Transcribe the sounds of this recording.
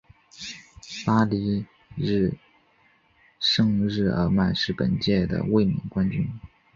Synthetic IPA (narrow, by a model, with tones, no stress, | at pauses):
pa˥li˧˥ | ɻ̩˥˧ | ʂɤ˥˧ŋɻɻ̩˥˩ə̰˞˧˥ma˥˧nʂɻ̩˥˩pə̰˨˩nt͡ɕjɛ˥˩d̪ə̰˩we˥˩ɪmḭ˧˥ŋkwa˥nt͡ɕy˥n